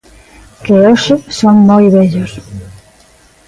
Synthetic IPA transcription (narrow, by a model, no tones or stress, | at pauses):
keoʃɪsoŋmojβeʎos